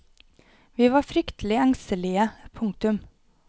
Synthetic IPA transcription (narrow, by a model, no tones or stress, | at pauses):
ʋiːʋɑːfɾʏkt̪ʰl̩ɪæŋst̪əlɪəpʰʊŋ̚t̪ʉm